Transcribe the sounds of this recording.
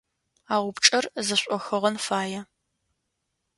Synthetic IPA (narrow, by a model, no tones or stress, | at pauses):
aːʁʷʊpʈ͡ʂʼɐrzɐɕʷʼɔxɐʁɐnfaːjɛ